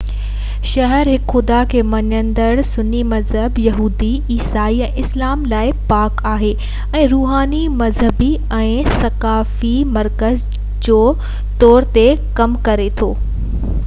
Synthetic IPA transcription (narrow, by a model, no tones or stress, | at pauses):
ʃɐɦəɾɦɪkxʊd̪akʰeːmɐɲə̃nd̪əɽsʊnːimɐzɦəbjɐɦuːd̪i | iːsaːiɛ̃ːʔɪslaːmlaːɪpaːkaːɦeː | ɛ̃ːɾuːɦaːnimɐzɦəbi | ɛ̃ːsɐkaːfimɐɾkəz | d͡ʑoː | t̪ɔːɾt̪ekɐmkɐɾet̪ʰoː